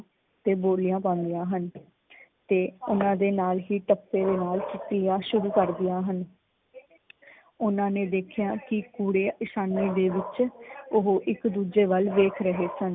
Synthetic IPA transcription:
t̪eːboːlijãːpãːnd̪ɪjãːɦən | t̪eːʊnãːd̪eːnaːlɦiːʈəpːeːd̪eːnaːlt͡ʃɪʈijaːʃʊɾuːkəɾd̪ɪjaːɦən | ʊnãːneːd̪eːkʰjaːkɪkuːɽeːɪʃaːniːd̪eːʋɪt͡ʃʊɦoʔɪkd̪uːd͡ʒeːʋəlʋeːkʰɾəɦeːsən

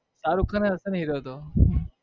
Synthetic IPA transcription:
saːɾukʰaneəsənɦiɾot̪o

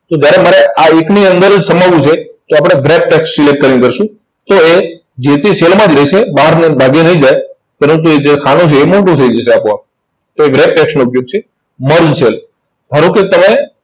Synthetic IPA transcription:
t̪od͡ʒjaɾemaɾeaekniənd̪əɾd͡ʒsəmaʋũt͡ʃʰet̪oapɽ̃eɡɾep̚ʈɛkssilek̚ʈ̚kəɾinkəɾʃũ | t̪oe | d͡ʒet̪eselmãd͡ʒɾəiʃʰebaɦəɾnebʱaɡenəɦĩd͡ʒaj | pəɾə̃nt̪̬ued͡ʒekʰanũt͡ʃʰeːmoɳʈũt̪ʰəid͡ʒəseapõ | t̪oeɡɾep̚ʈɛksnuːpjoɡ̚t͡ʃʰe | məɾd͡ʒsel | bʱəɾõket̪əme

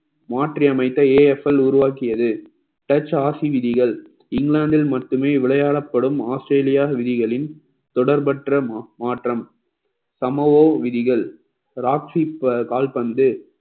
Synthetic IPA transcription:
maːʈriɐmɐɪt̪ːɐeːɛfɛlʊɾʊʋaːkɪjɐðɯ | ʈɐt͡ʃːaːsiʋɪðɪɣɐɭ | ɪŋɡɭaːɳɖ̪ɪlmɐʈːɯmeːʋɪɭɐjaːɽɐpːɐɽɯmaːsʈɾeːlɪjaːʋɪðɪɣɐɭɪn | t̪ɔɽɐɾpɐʈrɐmaːʈrɐm | sɐmɐʋoːʋɪðɪɣɐɭ | ɾaːksipkaːlpɐnd̪ɯ

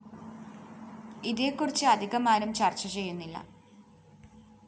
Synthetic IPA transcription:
iðeːkːurit͡ɕːɨɐd̪ʱiɣɐmaːnumt͡ɕɐrt͡ɕːɐt͡ɕe̞jːunːilːɐ̰

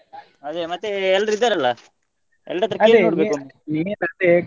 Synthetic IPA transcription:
ɐd̪emɐt̪ːeɛlːɾid̪ːaɾɐlːɐ | ɛ̰lːɐɾɐt̪ːɾɐkeːnoːɽbekun | inɐd̪e

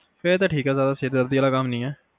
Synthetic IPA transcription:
fɪɾt̪̬ãːʈʰiːkɛːzjaːd̪aːseːd̪d̪əɾd̪iːəːlaːkamnĩːɛː

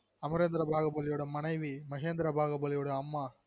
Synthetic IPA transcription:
ɐmɐɾeːnd̪ɾɐbʱaːɣɐbɐlɪjoːɽɐmɐnɐɪʋimɐɣeːnd̪ɾɐbʱaːɣɐbɐlɪjoːɽɐɐmːaː

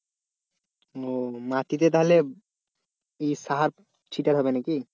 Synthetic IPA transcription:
omat̪it̪̬et̪̬aɦole | esaɦaɾ | t͡ʃʰiʈaɾɦɔbenaki

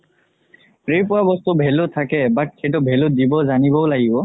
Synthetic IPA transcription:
pɹejpʊwabɔst̪ubʱɛlʊtʰakɛbat̚kʰet̬ʊbʱɛlʊt̚dibɔzanibɔʊlaɡibɔ

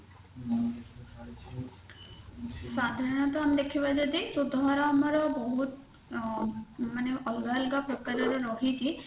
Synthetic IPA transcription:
sad̪ʱaɾɔnɔt̪ɔamid̪ekʰibad͡ʒɔd̪isud̪ʱaɾaːmɔɾɔbɔɦut̪ | maneʔɔlɡalɡapɾɔkaɾɔɾɔɾɔɦʰit͡ʃʰi

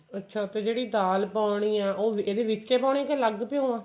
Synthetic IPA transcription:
ətːʃʰaːt̪eːd͡ʒeːɽiːd̪aːlpaːʊɳiːãːʔoːeːd̪eːʋɪt͡ʃeːpaːʊɳ̃ẽːkeləɡpjõːãː

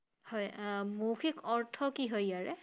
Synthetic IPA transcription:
hɔjmoxʰikʰɔɹtʰɔkiɦojaɹɛ

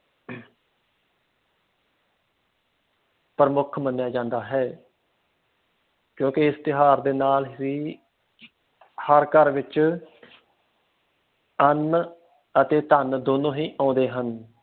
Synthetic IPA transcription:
pəɾəmʊkʰmənjaːd͡ʒãːnd̪aːɦɛː | kjõːkɪɪst̪ɪɦaːɾd̪eːnaːliː | həɾkəɾʋɪt͡ʃ | ən | ət̪eːt̪ənd̪oːnõːɦiːʔãːnd̪eːɦən

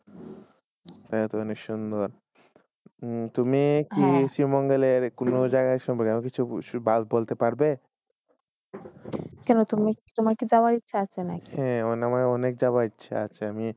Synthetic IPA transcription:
t̪ajat̪oɔnekʃund̪oɾ | t̪umikisɾimɔŋɡeleɾkonod͡ʑaɡaʃɔmpɔɾkeaõkit͡ɕʰubalbolt̪epaɽbe | kɛnot̪umit̪omaɾkid͡ʑaaɾitːʃʰaat͡ɕʰenakiɛ̃ɔnamaɔnek̚d͡ʑabaɾitːɕʰa̰at͡ɕʰeami

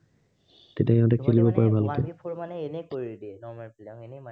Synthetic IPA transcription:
tetjakɛñtakʰelibɔpaɹɛbʱalɔtɛipʰoɹmanɛenɛkoɹidiɛnɔmapln

